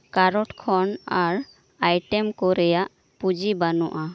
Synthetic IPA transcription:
kaɾɔʈkʰɔɳaɾ | ajʈɛmkɔɾɛjaʔ | pud͡ʒibanuʔa

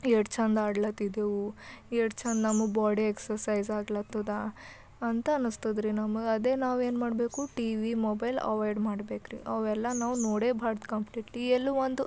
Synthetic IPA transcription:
eʈt͡ʃʰɐnd̪aːɽlɐt̪id̪eːʋueʈt͡ʃʰɐnd̪nɐmːubaːɽieksɐɾsɐjzaːɡlɐt̪ːɐd̪a | ɐnt̪ɐɐnust̪ɐd̪ɾinɐmuɡɐd̪e̞ːnaːʋe̞ːnmaːɽbe̞ːkuʈiʋimoːbɐjlɐ̰ʋajɖmaːɽbeːkɾḭʔɐʋɛlːɐnaːʋunoːɽeːbʱaːɽt̪kɐmpʰliːʈlielːuʋond̪u

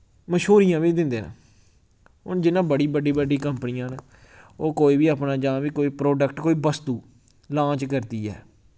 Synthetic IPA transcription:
məʃɦoːɾijãːʋiːd̪ɪ̃nd̪eːnã̰ | ʊnd͡ʒɪnãːbəɽiːbəɖiːbəɖiːkəmpnɪjãːnː | oːkoːiːbiːaːpnãːd͡ʒãːʋiːkoːiːpɾoːɖəkʈkoːiːbəst̪uː | lãːt͡ʃkəɾt̪iːɛ̰ː

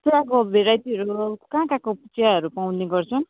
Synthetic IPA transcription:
t̪uɾakobʱeɾajt̪iʌɾukkãkãkoput͡sijaɦʌɾupaw̃nneɡʌrt͡sʰʌn

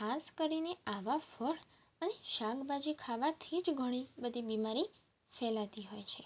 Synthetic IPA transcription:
kʰaskəɾineaʋafəɽ | əneʃaɡbad͡ʒikʰaʋat̪ʰid͡ʒɡʱəɽ̃ibəd̪ʱibimaɾi | fɛlat̪iɦojt͡ʃʰe

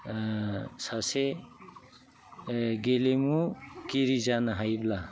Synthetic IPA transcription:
sase | ɡelemukiɾizanaɦajbla

